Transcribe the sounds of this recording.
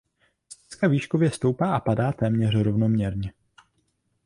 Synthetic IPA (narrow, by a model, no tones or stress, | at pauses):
sɛskaviːʃkovjɛst̪o̞wpaːʔapadaːt̪ɛːmɲɛr̝ɾo̞vno̞mɲɛɾɲɛ